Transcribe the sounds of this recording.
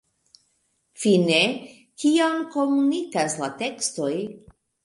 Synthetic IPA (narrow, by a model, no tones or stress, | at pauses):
fine̞ | kiamko̞munikaslate̞ksto̞j